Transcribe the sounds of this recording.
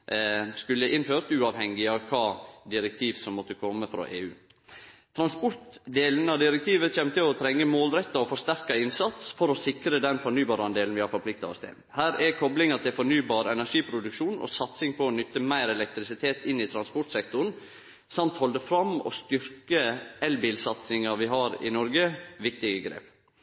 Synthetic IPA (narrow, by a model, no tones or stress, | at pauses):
skʉlːəʔɪnføːɾt̪ʉːɑːʋhɛŋɪɑʋkʰɑːd̪ɪɾɛk̚t̪ʰiːʋsɔmːɔt̪ːəkʰɔmːəfɾɑ̰ʔḛːʉː | t̪ʰɾɑnspɔɾt̪d̪eːlnəɑʋd̪ɪɾɛk̚t̪ʰiːʋəçɛmːt̪ɪlɔt̪ʰɾɛŋːəmoːlɾɛt̪ːɑɔfɔɾʂt̪æɾkɑɪnsɑt̪sfɔɾɔsɪkɾəd̪ɛnfɔɳyːbɑːɾɑnd̪eːln̩ʋɪhɑɾfɔpʰlɪk̚t̪ɑ̰ɔ̰st̪ʰɪ̰lhæːɾɛkʰɔblɪŋɑt̪ʰɪlfɔɳyːbɑːɾɛnæʂiːpʰɾʊd̪ʉkʃuːnɔ̰sɑt̪sɪŋpʰɔːnʏt̪ːəmæɪɾɛlɛk̚t̪ɾɪsɪt̪ʰeːt̪ɪnːɪt̪ʰɾɑnspɔʈsɛkt̪ʊɾɳn̩ | sɑmt̪hɔld̪əfɾɑmɔ̰st̪ʏɾkəɛlbɪːlsɑt̪sɪŋɑʋɪɦɑɾɪ̰nɔɾɡəʋɪkt̪ɪɡəɡɾḛːp